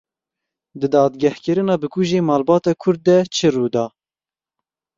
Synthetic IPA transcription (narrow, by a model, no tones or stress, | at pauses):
d̪ɨd̪ɑːd̪ɡæhkɨɾɨnɑːbɨkʰuʒeːmɑːlbɑːt̪ɑːkʰʊɾd̪̚ːɛt͡ʃʰɨruːd̪ɑː